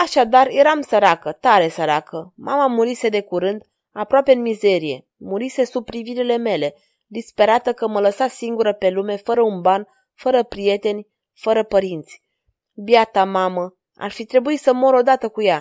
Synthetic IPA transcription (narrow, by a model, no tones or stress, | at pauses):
aʃad̪arje̞ɾamsəɾakət̪aɾe̞səɾakʰəmʔa̰mamuɾise̞d̪e̞kuɾɨnd̪ | apɾoapeɨnmize̞ɾije̞ | muɾise̞sub̚ɾiviɾile̞me̞le̞ | d̪ispe̞ɾat̪əkəmələsasiŋɡuɾəpe̞lume̞fəɾəunban | fəɾəpɾije̞t̪e̞nʲ | fəɾəpəɾint̪sʲ | bjat̪amamə | a̰rfit̪ɾe̞buisəmo̞ɾo̞d̪at̪əkuja